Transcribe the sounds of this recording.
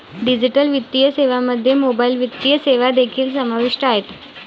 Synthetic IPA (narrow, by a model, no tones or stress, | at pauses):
ɖid͡ʑiʈəlʋit̪ːijəseʋaməd̪ʱːjemobailʋit̪ːijəseʋad̪ekʰiːlsəmaʋiʂʈəaɦet̪